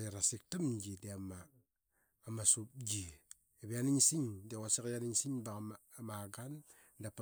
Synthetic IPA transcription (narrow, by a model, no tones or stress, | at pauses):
eɾasik̚tamɡideamaː | masup̚ɡi | eβeaniŋsiŋdekasekjaniŋsiŋba | maɡan | dap